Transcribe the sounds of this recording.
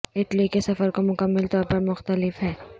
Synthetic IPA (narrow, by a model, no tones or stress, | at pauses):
ɪʈlikesɐfəɾkomʊkəmːɪlt̪ɔːɾpɐɾmʊxt̪əlɪfɦɛː